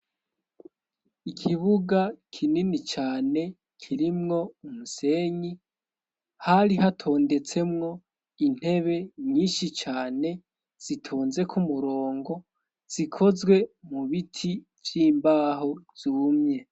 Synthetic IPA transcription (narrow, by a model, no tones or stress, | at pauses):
ikʰiβuɡakʰininit͡ʃaːne̞ | kʰiɾimŋo̞umuse̞ɲi | haɾiɦatʰo̞ːnde̞t͡se̞mŋo̞ | in̥he̞βe̞ɲiːnʃit͡ʃaːne̞ | z̥itʰoːnze̞kʰumuɾo̞ːŋɡo̞ | z̥ikʰo̞zɡwe̞muβitʰi | vjiːmbaːɦo̞z̥uːmɲe̞